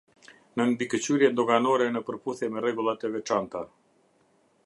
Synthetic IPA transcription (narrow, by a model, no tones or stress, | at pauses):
nənbikət͡ɕyɾjɛd̪ɔɡanɔɾɛnəpəɾpuθjɛmɛrɛɡulˠat̪ɛvɛt͡ʃant̪a